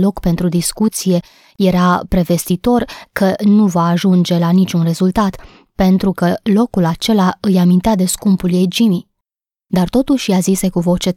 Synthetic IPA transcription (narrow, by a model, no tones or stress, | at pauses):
lo̞kpe̞nt̪ɾud̪iskut̪sije̞ | je̞ɾapɾe̞ve̞st̪it̪o̞rkʰənuvaːʒund͡ʒe̞lanit͡ʃunre̞zult̪at̪ | pe̞nt̪ɾukəlo̞kulat͡ʃe̞laɨjamint̪ead̪e̞skumpuljejd͡ʒini | d̪art̪o̞t̪uʃjazisekuvo̞t͡ʃe̞